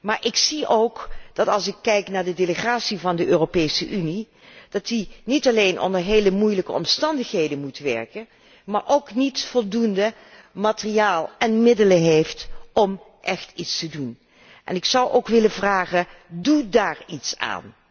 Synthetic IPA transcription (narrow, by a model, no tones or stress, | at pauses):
maːɹʔɪksiʔowkd̥ɑtɑlˠsɪkːɛjknaːɹdədeləχaːtsivɑndəʔøːropejsəʔyni | d̥ɑtinitɑlejnʔɔ̰ndəɹɦejləmujləkəɔ̰mstɑndəχɦejdəmutʋɛ̰ɹkən | maːɹʔowknitfɔlˠdundə | maːtərijaːlˠɛnmɪdələɦejftɔm | ʔɛχtitstədun | ʔɛ̰nɪksʌwʔowkʋɪlənvraːχədudaːɹitsa̰ːn